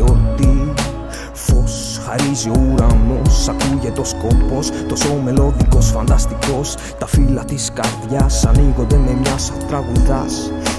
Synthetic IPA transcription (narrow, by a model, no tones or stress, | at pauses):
ot̪i | fo̞s | xaɾizio̞uɾɐno̞sɐk̪uʝet̪o̞sko̞po̞st̪o̞so̞me̞lo̞ðiko̞sfɐnd̪ɐst̪iko̞s | t̪ɐfilɐt̪iskɐɾðʝɐsɐniɣo̞nd̪e̞me̞mɲɐsɐt̪ɾɐɣuðɐs